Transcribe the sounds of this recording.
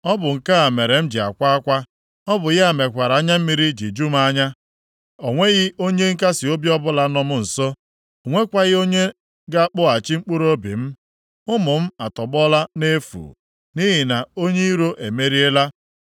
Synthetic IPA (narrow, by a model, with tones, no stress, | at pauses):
ɔ˦bʊ˨ŋ̩˨ka˦a˨me˨ɾe˨m̩˦d͡ʒɪ˨a̰˨kʷa˦a˦kʷa˦ | ɔ˦bʊ˨ɣɪ˦a˨me˨kʷa˨ɾa˨a˦ɲa˦m̩˦mi˦ɾi˦d͡ʒi˨d͡ʒu˦m˦a˦ɲa˦ | o˨ŋʷe˦ɣɪ˦o˦ɲe˦ŋ̩˦ka˦sɪ˨o˦bjɔ˦bʊ˦la˨˦nɔ˦mʊ˦n̩˨so˦˨ | ŋʷe˦kʷa˦ɣɪ˦o˦ɲe˦ | ɡa˦k͡pʊ˦a˨t͡ʃi˦ŋ͡m̩˦k͡pu˦ɾo˦bḭ˨m̩˦ | ʊ˦mʊ˨m̩˦a˨tɔ˨bɔ˦la˦ne˦fṵː˨ | ni˦ɦi˨na˨o˦ɲe˦i˦ɾo˦ʔe˨me˦ɾi˦e˦la˦